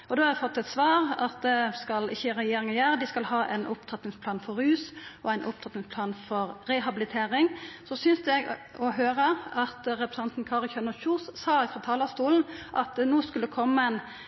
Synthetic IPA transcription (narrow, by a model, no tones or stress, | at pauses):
ɔd̪oːɑɾɛfɔt̪ːɛt̪sʋɑːɾɑt̪̚d̪ɛskɑlɪçːəɾɛjeːɾɪŋəjæːɾəd̪ɪskɑlhɑːʔæ̰ɪnʔʊpt̪ʰɑt̪nɪŋspʰlɑːnfɔɾʉːsɔæɪnʔʊpt̪ʰɑt̪nɪŋspʰlɑːnfɔɾɾɛɦɑbɪlɪt̪ʰeːɾɪŋsɔsʏnsd̪ɛɡɔɦøːɾəɑt̪ɾɛpɾɛsɑnt̪n̩kʰɑɾçœnəçuːssɑːɪfɾɑt̪ʰɑːləst̪uːln̩ʔɑt̪noːskʉlːəkʰɔmːəɛn